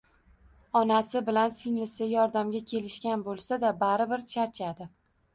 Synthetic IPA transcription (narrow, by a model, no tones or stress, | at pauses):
ɒnasɪbɪlansɪŋlɪsɪjɒɾd̪amɡʲakʲʰe̞lɪʃkʲanbolˠsad̪abaɾɪbɪɾt͡ʃʰaɾt͡ʃʰad̪ɪ